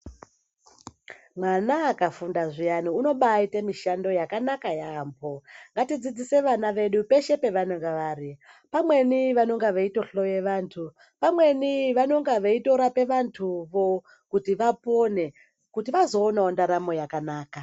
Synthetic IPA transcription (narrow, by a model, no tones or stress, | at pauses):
mwanaːkafundaʐijaniuno̞ɓaitemiʃando̞jakanakajaːmbo̞ŋɡatid͡zid͡zise̞ʋanaʋe̞ɗupe̞ʃe̞pe̞ʋanoŋɡaʋaːɾi | pamwe̞niʋano̞ŋɡaʋeito̞ɬo̞je̞ʋaːntʰu | pamwe̞niʋano̞ŋɡaʋeito̞ɾape̞ʋantʰuʋo | kutiʋapo̞ne | kutiʋazo̞ːnaondaɾamo̞jakanaːka